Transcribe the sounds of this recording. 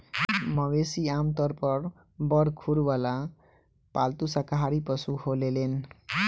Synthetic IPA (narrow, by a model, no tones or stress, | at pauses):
mʌwesiamt̪ʌɾpʌɾ | bʌɾkʰuɾwala | palt̪usakaɦaɾipʌsuholelen